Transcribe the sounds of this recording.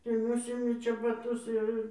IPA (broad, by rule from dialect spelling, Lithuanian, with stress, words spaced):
tɐɪ ˈnʊsʲɪmʲɪ t͡ʃʲɛbɐˈtʊs jɛʊ ˈɪr